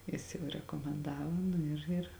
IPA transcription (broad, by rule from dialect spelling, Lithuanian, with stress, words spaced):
ˈjɪs jɛʊ rʲɛkoːmʲɛnˈdɑːʋoː ˈnʊ ɪr ˈɪr